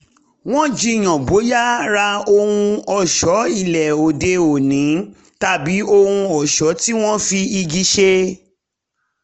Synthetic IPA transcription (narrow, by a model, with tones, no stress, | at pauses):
w̃ɔ̃˦d͡ʒi˧˨j̃ɔ̃˨bo˨˦ja˦ɾa˧o˧hũ˧ɔ˨ʃɔ˨˦i˦˨lɛ˨o˨de˧o˨nĩ˨˦ | ta˦˨bi˨˦o˧hũ˧ɔ˨ʃɔ˨˦ti˦w̃ɔ̃˦fi˧i˧ɡi˨˦ʃe˧˦